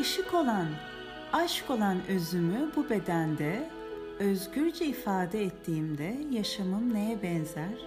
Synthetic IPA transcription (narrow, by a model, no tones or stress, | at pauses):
ɯʃiko̞lˠan | aʃko̞lˠanøzymybube̞d̪ænd̪ɛ | øzɟyɾd͡ʒɛifaːd̪ɛɛt̪ʰːiːmd̪ɛjaʃamɯmnejɛbɛnzæɾ̥